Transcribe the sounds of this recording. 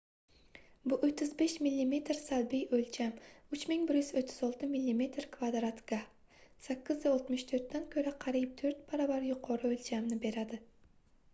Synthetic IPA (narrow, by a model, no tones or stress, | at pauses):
bʊʔot̪ʰːɪzbeʃmilʲːime̞t̪ɾsalbijølʲt͡ʃʰamʊt͡ʃmɪŋbɪɾjyzot̪ʰːɪzolˠt̪ɨmilʲːime̞t̪ɾkʰvad̪ɾat̪ɡ̥a | sakʲːɪzdaolˠt̪mɨʃt̪ʰɵɾt̪ːankʲʰɵɾaqʰɑɾip̚t̪ʰøɾt̪̚bʰaɾabaɾjʊqʰoɾɨølʲd͡ʒʰamnɪbe̞ɾad̪ɪ